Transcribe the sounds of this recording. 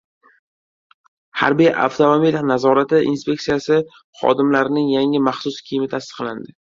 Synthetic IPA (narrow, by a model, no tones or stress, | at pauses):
ha̰ɾbijʔa̰wt̪ʰomomijlanazɒɾat̪ɪʔḭnspʰʲe̞k̚sijasɪ | χɒ̰d̪ɪmlaɾɪnɪŋjaŋɪmɑχsʊskʲʰijɪmɪt̪ʰasɨ̥qland̪ɪ